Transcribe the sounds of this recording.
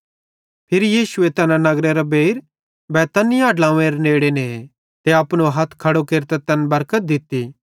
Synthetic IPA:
pʰɪɾijiːsuet̪ɛnãnɐɡɾeɾabeːɪɾ | bɛːt̪ɐnɪjaːɖlãːẽɾeneːɽene | t̪eɐpnoɦɐt̪ʰkʰɐɽokeːɾt̪et̪ɐnbɐɾkət̪̚d̪ɪt̪ːi

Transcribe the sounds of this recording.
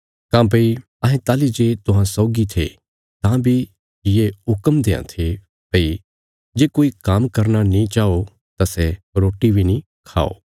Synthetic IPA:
kãːb̬ɐi | ɐɦẽt̪aːlid͡ʒeːt̪ʊɦãsɔːɡit̪ʰḛ | t̪ãːbʱi | jeɦʊkəmd̪eːã̰t̪ʰe | pɐi | d͡ʒeːkoːikaːmkɐɾnanĩt͡ʃaːo | t̪asɛɾoːʈibʱinĩ | kʰa̰ːo̰ː

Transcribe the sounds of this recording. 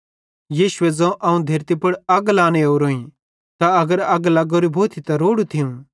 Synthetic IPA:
jiːʃʊɛd͡zɐ̃ʔɐːũd̪ʱeːɾt̪ipɐɽɐɡlaːneoːɾoːĩ | t̪aɐɡəɾɐɡlɐɡoːɾibʱoːt̪ʰit̪ɐɾoːɽut̪ʰijũ

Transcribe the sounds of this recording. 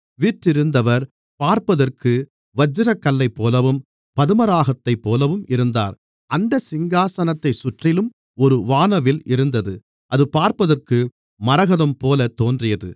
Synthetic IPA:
ʋiʈːɪɾɯnd̪ɐʋɐɾ | paːɾpɐðɐrkɯ | ʋɐd͡ʒːɯɾɐkːɐlːɐɪpːoːlɐʋɯm | pɐðɯmɐɾaːɣɐt̪ːɐɪpːoːlɐʋɯmɪɾɯnd̪a̰ːɾ | ʔɐnd̪ɐsɪŋɡaːsɐnɐt̪ːɐɪsʊʈrɪlɯm | ɔɾɯʋaːnɐʋɪlɪɾɯnd̪ɐðɯ | ʔɐðɯpaːɾpɐðɐrkɯ | mɐɾɐɣɐðɐmpoːlɐt̪oːndrɪjɐðɯ̰

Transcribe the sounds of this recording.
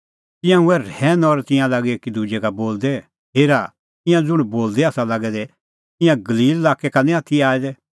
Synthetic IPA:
t̪ɪjãʊɛɾɛːnɔɾt̪ɪ̃jãlaːɡɛekid̪ud͡ʒɛkaboːld̪ɛ | ɦeːɾa | ɪ̃jãd͡zʊɽ̃boːld̪ɛaːsalaɡɛd̪ɛ | t̪ɪ̃jãɡɐliːlːaːkɛkanĩat̪ʰiaːɛd̪ɛ

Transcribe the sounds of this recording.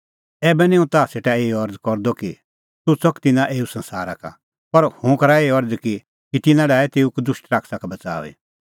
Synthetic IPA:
ɛːbɛnɛ̃ũt̪aːseːʈaeːɔɾd͡zkɔɾd̪ɔki | t̪ʊt͡sɔkt̪ɪnãʔeːusɐ̃nsa̰ːɾaka̰ | pɐɾhũkɐɾaeːɔɾd͡zki | kit̪ɪnãɖɛaːɛt̪eːukd̪ʊʃʈɾaːkʰsakabɐt͡sa̰ːḭ

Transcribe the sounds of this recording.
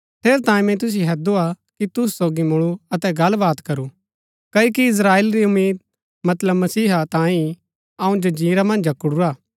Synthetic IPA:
t̪ʰeːɾt̪ãːĩmɛ̃t̪̬ʊs̬iɦɛd̪ua | kit̪ʊs̬soːɡimʊɭuɐt̪ɛɡɐlbaːt̪kɐɾu | kɐikiɪs̬ɾaːeːlɾiʊmiːd̪̚ | mɐt̪ləbmɐsiːɦat̪ãːĩ | ɐũd͡ʒod͡ʒiːɾamɐ̃nd͡ʒɐkɽuɾaː

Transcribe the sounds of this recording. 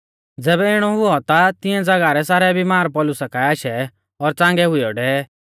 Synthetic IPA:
d͡zɛːbɛɪɽ̃ɔɦʊɔt̪at̪ɪɛ̃d͡zɐɡaɾɛsaːɾɛbimaːɾpɔlʊsakaaːʃɛ | ɔɾt͡sãːŋɡɛɦʊiɔɖɛ

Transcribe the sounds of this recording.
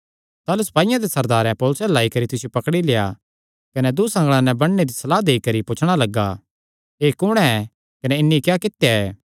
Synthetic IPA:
t̪aːlusɐ̥paːijãd̪esɐɾd̪aːɾɛ̃pɔːlʊsɛlaːikɐɾit̪ɪsijupɐkɽileːja̰ | kɐnɛd̪usɐ̃ŋɡɭ̃ãnɛbɐɽ̃ned̪isɐlaːd̪eːikɐɾipʊt͡ʃʰɽ̃alɐɡːa̰ | eːkʊɽ̃ɛ̃ɛ | kɐnɛɪnːikjaːkɪt̪jaɛː

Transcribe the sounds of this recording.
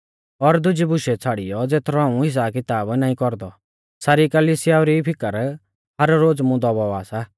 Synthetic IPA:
ɔɾd̪ʊd͡ʒibʊʃet͡sʰaːɽḭjɔd͡zeːt̪ʰɾɔaːũɦɪs̬akɪt̪aːbnãːĩkɔɾd̪ɔ | saːɾikəliːsɪjaɔɾipʰɪkəɾ | ɦɐɾɾoːd͡zmũd̪ɔbɔaːsa

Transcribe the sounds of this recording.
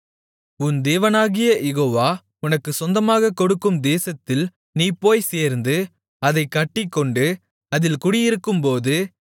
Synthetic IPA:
ʊnd̪eːʋɐnaːɣɪjɐjɛɣoːʋaː | ʊnɐkːɯsɔnd̪ɐmaːɣɐkːɔɽɯkːɯmd̪eːsɐt̪ːɪl | niːpːoːjseːɾnd̪ɯ | ɐðɐɪkːɐʈːɪkːɔɳɖɯ | ɐðɪlkʊɽɪjɪɾɯkːɯmpoːðɯ

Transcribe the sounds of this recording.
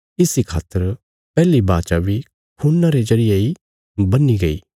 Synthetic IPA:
ɪsikʰa̰ːt̪ːəɾ | pɛːlibaːt͡ʃabi | kʰunːaɾezɐɾɪjei | bɐnːiɡɐḭː

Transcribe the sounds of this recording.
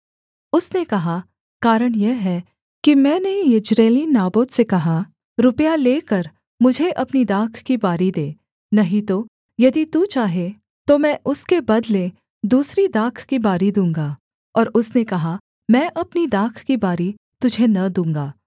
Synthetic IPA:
ʊsnekɐɦa | kaːɾəɽ̃jɛɦɛ | kimɛ̃ːneɪd͡ʒɾeːlinaːboːt̪sekɐɦa | ɾʊpjaleːkɐɾ | mʊd͡ʒʱeʔɐpnid̪aːkʰkibaːɾid̪eː | nɐɦĩt̪o | jɐd̪it̪ut͡ʃaːɦe | t̪omɛ̃ːʔʊskebɐd̪lẽ | d̪uːsɾid̪aːkʰkibaːɾid̪ũːŋɡaː | ɔːɾʊsnekɐɦa | mɛ̃ːʔɐpnid̪aːkʰkibaːɾi | t̪ʊd͡ʒʱenɐd̪ũːŋɡaː

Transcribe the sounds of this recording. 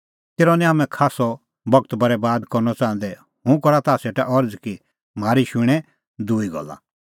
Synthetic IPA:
t̪eːɾɔnĩɦamɛ̃kʰaːsɔ | bɐɡ̚t̪bɐɾɛbaːd̪kɔɾnɔt͡sãːn̆d̪ɛ | ɦũkɔɾat̪aːseːʈaʔɔɾd͡zki | maːɾiʃʊɽ̃ɛ | d̪uːiɡɔ̰lːa̰

